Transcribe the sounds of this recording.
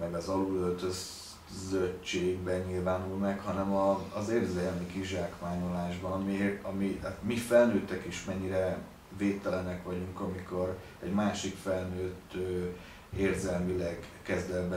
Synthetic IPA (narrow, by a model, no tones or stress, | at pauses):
mɛɡɒzɒluølt̪øz | zøt͡ʃeːɡbɛɲilvaːnulmɛkhɒnɛmɒːzeːrzɛlmikiʒaːkmaːɲolaːʒbɒnɒmiɒmimifɛlnøːt̪ːɛkeːʃmɛɲːiɾɛ | veːt̪ːɛlɛnɛkʋɒɟuŋkɒmiko̞r | ɛɟmaːʃikfɛlnøːt̪ːøː | eːrzɛlmilɛɡkɛzd̪ɛlbɛ